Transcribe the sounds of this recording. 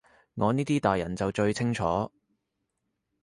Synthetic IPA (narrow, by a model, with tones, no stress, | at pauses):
ŋɔː˨˧niː˥t̪iː˥t̪aː˨˩jɐ̰˨˩nt͡sɐ˨wt͡ʃɵ˧ɥt͡sʰɪ˥ŋt͡ʃʰɔː˨˥